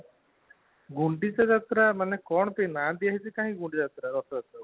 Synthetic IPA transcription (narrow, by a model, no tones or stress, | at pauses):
ɡuɳɖit͡ʃad͡ʒat̪ɾamanɛkɔɳpenad̪iaɦisʰikãːɦĩɡuɳɖid͡zat̪ɾaɾɔsd͡ʒat̪a